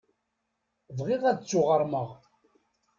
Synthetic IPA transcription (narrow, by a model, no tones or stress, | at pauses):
vʁiʁæt͡sːʊʁəɾˤməʁ